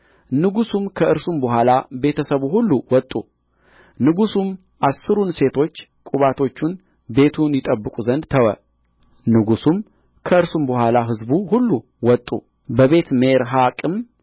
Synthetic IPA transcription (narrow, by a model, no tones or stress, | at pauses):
nɨɡusumkʰəɨɾsumbəɦʷalabe̞t̪ʰəsəβuhulːuwɔt̪ʼːṵ | nɨɡusum | ʔasːɨɾunse̞t̪ʰo̞t͡ʃːkʼuβat̪ʰo̞t͡ʃːun | be̞t̪ʰunjɪt̪ʼəbːɨkʼuzənd̪t̪ʰəwə̰ | nɨɡusum | kʰəɨɾsumbəhʷalaɦɨzbuhulːu | wɔt̪ʼːṵ | bəβe̞t̪meɾɦakʼɨm